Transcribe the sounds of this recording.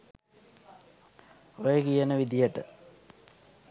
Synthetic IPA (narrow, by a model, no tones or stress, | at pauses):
ojekijɐnəʋid̪ijəʈə